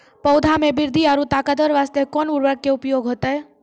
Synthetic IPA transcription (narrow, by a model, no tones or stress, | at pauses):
pɔwd̪ʱamẽbɪɾd̪ʱiaɾut̪aːkəd̪əɾʋaːst̪ekɔːnuɾʋəɡ̚kːeʊpjoɡʱɦoːt̪ae